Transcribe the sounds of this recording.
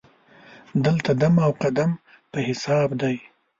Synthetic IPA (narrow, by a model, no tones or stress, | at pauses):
d̪əlt̪ad̪amawqad̪am | pəhɪsɑbd̪aj